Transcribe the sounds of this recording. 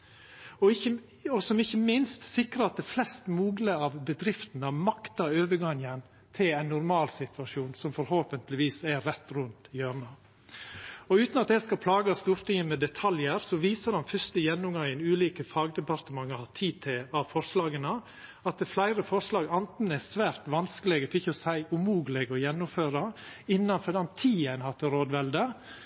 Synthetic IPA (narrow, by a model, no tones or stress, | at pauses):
ɔɪçə | ɔsɔmɪçːəmɪnst̪sɪkɾəɑt̪̚d̪ɛflɛst̪muːɡləɑʋbəd̪ɾɪft̪ənəɑmɑkt̪ɑøːʋəɡɑŋən | t̪ʰɪlæɪnːʊɾmɑːlsɪt̪ʋɑʂuːnsɔmfɔɾhoːpənt̪lɪʋiːsɛɾɛt̪ːɾʉnt̪jøːɾɳɑ | ɔʉːt̪nɑt̪̚d̪ɛskɑpʰlɑːɡɑst̪uːɾt̪ɪŋəmɛd̪ɛt̪ʰɑljəɾsɔʋiːsəɾɑnfœʂt̪əjɛnːʊmɡɑŋənʉːliːkəfɑːɡd̪ɛpɑɾt̪əmɑŋːəhɑt̪ʰiːt̪ʰɛɑʋfɔɾʂlɑːɡənə | ɑt̪̚d̪ɛflæɪɾəfɔɾʂlɑːɡɑnt̪n̩əɛsʋæːɾt̪ʋɑnskəlɛɡəfɔɾɪçːəɔsæɪʉmuːɡəlɛɡɔjɛnːʊmføːɾɑɪnːɑnfɔd̪ɑnt̪ʰiːɛnhɑt̪ːəɾoːd̪ʋɛld̪ə